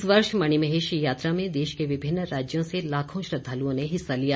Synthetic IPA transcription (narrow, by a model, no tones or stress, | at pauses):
sʋəɾʃmɐɽ̃imɐɦeːʃjaːt̪ɾamẽd̪eːʃkeʋɪbʱɪnːɾaːd͡ʒjõselaːkʰõʃɾɐd̪ʱaːluõneɦɪsːalijaː